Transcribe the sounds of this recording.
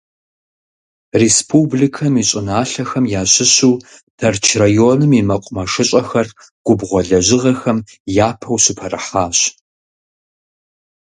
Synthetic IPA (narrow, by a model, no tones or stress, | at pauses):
respʰubɮikʰɐmiɕʼɪnaːɬɐxɐmjaːɕɪɕuː | tʰɐrt͡ʃʰrajoːnɨmimɐqʷʼʊmɐʂɨɕʼɐxɐr | ɡ̥ʷʊbʁʷɔɮɐʑɪʁɐxɐm | jaːpʰɐwɕɪpʰɐrɐ̰ħaːɕ